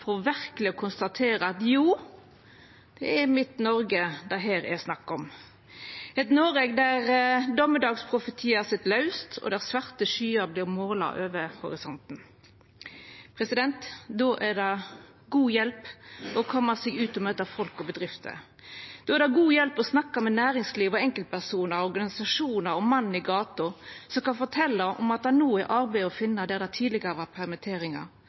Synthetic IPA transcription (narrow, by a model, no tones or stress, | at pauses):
fɔʁʋæʁklɪɔkʰʊnst̪ɑt̪ʰeːɾəɑt̪juː | d̪̥ɛæmɪt̪nɔɾɡəd̪ɑɦæːɾɛ̰snɑkːɔm | hɛt̪noːɾɛɡd̪æʁd̪ɔməd̪ɑːɡspʰʁʊfət̪ʰiːæsɪt̪lɑʉst̪ʰɔ̰d̪æsʋɑʁt̪əʃyːəɾblɪʁmoːlɑ̰ʔøːʋəhʊ̰ɾɪsɔnt̪n̩ | pʰʁɛsɪd̪ɛnt̪d̪oːʔæʁd̪ɛ | ɡuːjɛlpɔkʰɔmːəsɛɡʉːt̪ɔmøːt̪ɑfɔlkɔbəd̪ʁɪft̪ʰə̰ | d̪̥oːæɾd̪ɛɡuːjɛlpɔsnɑkːɑmɛnæːɾɪŋsliːʋɔɛŋkəlt̪̚pʰæʁsuːnəɾɔʁɡɑnɪsɑʂuːnəɾɔmɑn̩ːɪɡɑːt̪ʊsɔmkɑnfɔt̪ʰɛlːɑʔɔ̰mɑt̪̚d̪ɛænuːæɾʔɑɾbæɪɔfɪnːɑd̪ɛæɾd̪ɛæt̪ʰiːd̪lɪɡəɾəʋɑpʰæʁmɛt̪ʰeːɾɪŋɑ̰ʁ